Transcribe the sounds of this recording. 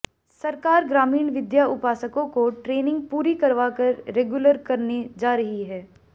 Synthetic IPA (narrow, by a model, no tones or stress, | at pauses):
sɐɾkaːɾɡɾaːmiːɳʋɪd̪jaʊpaːsəkõkoʈɾeːnɪ̃ŋɡ̚puːɾikɐɾʋaːkɐɾːeːɡjʊləɾkɐɾned͡ʒaːɾɐɦiɦɛː